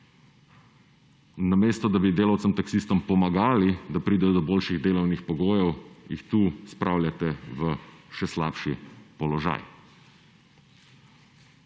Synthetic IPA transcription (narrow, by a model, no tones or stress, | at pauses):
nameːst̪ɔd̪abid̪eːlawt̪sɛmt̪aksiːst̪ɔmpɔmaɡaːlid̪apɾiːd̪ɛjɔd̪ɔboːlʃiɣd̪eːlɔwnixpɔɡoːjɛwjḭxt̪uːspɾʔawlʲjat̪ɛʋəʃɛsla̰ːpʃipɔlɔʒa̰j